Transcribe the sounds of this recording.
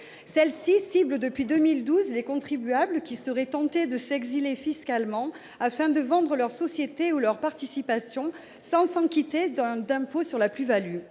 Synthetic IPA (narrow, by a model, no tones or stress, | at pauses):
sɛlsisibləd̪əpɥid̪əmild̪uzlekɔ̃t̪χibyabləkʲisəʁɛt̪ɑ̃t̪ed̪əsɛɡzilefiskalmɑ̃ | afɛ̃d̪əvɑ̃d̪ʁəlœʁsɔsjet̪eulœʁpaʁt̪isipasjɔ̃ | sɑ̃sɑ̃kʲit̪ed̪̃d̪ɛ̃posyʁlaplyvaly